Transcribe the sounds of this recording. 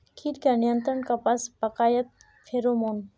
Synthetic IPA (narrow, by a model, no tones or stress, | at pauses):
kʰiɾkanijənt̪ɾəɳkapaspɐkaːjət̪̚ | fʰeɾomoːn